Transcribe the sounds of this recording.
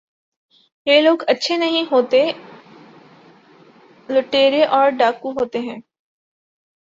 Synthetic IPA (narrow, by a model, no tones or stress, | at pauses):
jeloːɡɐtːʃʰenɐɦĩɦoːt̪e | lʊʈeːɾeʔɔːɾɖaːkuɦoːt̪eɦɛ̃ː